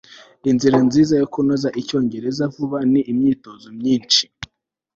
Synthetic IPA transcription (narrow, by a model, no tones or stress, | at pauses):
inziɾanziːzajokunozaʔico̞ːɲɟe̞ɾe̞zavuβaniʔːmɲiːto̞zomɲiːnt͡ʃi̥